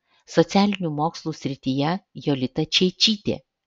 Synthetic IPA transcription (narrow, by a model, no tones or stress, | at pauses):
sɔt̪sʲæːlʲɪnʲuːmoːkslˠuːsʲɾʲɪt̪ʲijɛjɔlʲɪt̪ɐt͡ʃʲɛɪt͡ʃʲiːt̪ʲḛː